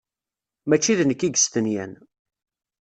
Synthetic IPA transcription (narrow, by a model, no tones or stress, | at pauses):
mæt͡ʃːiðnəkːiɡəst̪ənjæ̰n